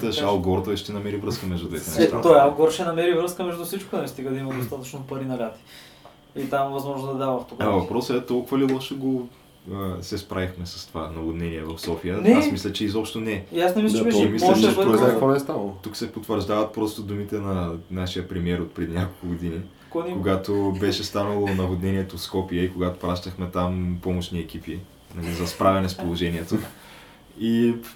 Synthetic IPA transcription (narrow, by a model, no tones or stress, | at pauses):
t̪əʃalˠɡɔɾt̪ɔɛʃt̪ɛnɐmɛɾivɾɤskəmɛʒd̪ud̪vɛ̰t̪ɛnɛʃt̪a̰t̪ɔialˠɡɔɾʃɛnɐmɛɾivɾɤskəmɛʒd̪ufsit͡ʃkʊnɐvist̪iɡəd̪ɐimɐd̪ost̪at̪ət͡ʃnopɐɾinɐlʲat̪i̥ | it̪amvɐzmɔʒnod̪ɐd̪avɐft̪okvɐpɾɔsɛt̪ɔlˠkʊvəlilˠɔʃɛɡo | əsɛspɾʔavixmɛsɐ̥st̪ovanɐvod̪nɛniɛvɐfsɔfijənɛasmislʲət͡ʃɛizɔpʃt̪onɛasnɛmiɛmislʲɐt͡ʃɛpɾovonɛɛst̪anəlˠot̪uksɛpot̪vəɾʒd̪avɐt̪̚pɾɔst̪od̪umit̪ɛnɐnaʃijəpɾɛmiɛɾot̪pɾɛd̪inʲakolˠkʊɡod̪ini | kkoɡat̪obɛʃɛst̪anɐlˠonɐvod̪nɛniɛt̪oskɔpiəikoɡat̪o̥pɾaʃt̪ɐxmɛt̪ampɔmoʃniɛk̟ipi | nɐlizɐspɾavʲɛnɛspolˠoʒɛniɛt̪o | i